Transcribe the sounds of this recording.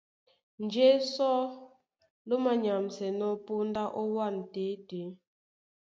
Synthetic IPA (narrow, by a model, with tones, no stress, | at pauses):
n̩˨d͡ʒe˦sɔ˦ | lo˦ma˦˨ɲa˨msɛ˨nɔ˦po˦n˦da˦ʔɔ˦wa˦˨n˨te˨˦te˨˦